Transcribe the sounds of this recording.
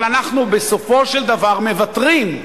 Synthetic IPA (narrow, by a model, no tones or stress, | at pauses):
lanaχnube̞so̞fo̞ʃeld̪avaʁme̞vat̪ʁim